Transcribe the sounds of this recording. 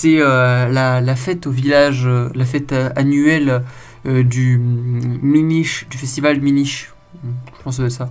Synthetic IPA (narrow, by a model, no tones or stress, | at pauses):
sɛølalafɛt̪ovilaʒølafɛt̪øanyɛl | d̪y | myniʃd̪yfɛst̪ivalmyniʃ | ʒəpɑ̃sd̪əsa